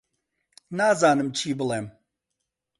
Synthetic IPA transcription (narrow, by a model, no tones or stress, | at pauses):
naːzaːnɨmt͡ʃʰiːbɨlˠeːm